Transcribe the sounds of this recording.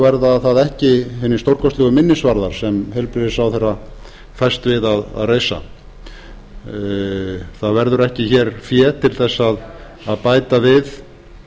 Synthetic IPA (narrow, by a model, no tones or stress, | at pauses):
vɛɾðaðθaðɛhcɪhɪnːɪst̪owɾ̥kɔst̪ɛɣʏmɪnːɪsvaɾðaɾ̥sɛmhejlpɾɪðɪsawθejrːa | faj̥st̪vɪðaða̰ðreːjsa̰ | θaðvɛɾðʏɾɛhcɪçɛɾfjɛːt̪ʰɪlθɛsːað | aðpaːjt̪avɪð